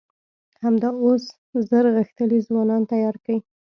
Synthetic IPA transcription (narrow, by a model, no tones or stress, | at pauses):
hamd̪ɑos | zəɾɣəxt̪əlizwɑnɑnt̪ajɑɾkawi